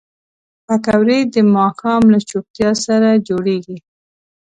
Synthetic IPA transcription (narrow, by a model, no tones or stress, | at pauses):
pakawɾed̪əmɑxɑmlat͡ʃop̚t̪jɑsaɾad͡ʒoɽeɡi